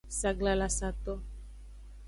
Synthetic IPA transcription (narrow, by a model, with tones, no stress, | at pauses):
sa˨ɡla˨la˨sa˨t̪ɔ˦